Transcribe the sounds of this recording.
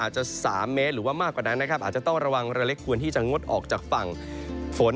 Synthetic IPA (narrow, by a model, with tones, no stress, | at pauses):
aː˨˩t̪̚t͡ɕa˨˩saː˩˦mːe˦˥t̪̚ɾɯː˩˦waː˥˩maː˥˩kːwaː˨˩na˦˥nːa˦˥kʰa˦˥p̚ʔaː˨˩t̪̚t͡ɕa˨˩t̪ɔ˥˩ŋɾa˧wa˧ŋɾa˧le˦˥kʰːu˧ənt̪ʰiː˥˩t͡ɕa˨˩ŋo˦˥t̪̚ʔɔ̰ː˨˩k̚t͡ɕaː˨˩k̚fa˨˩ŋ | fʰo˨˩˦n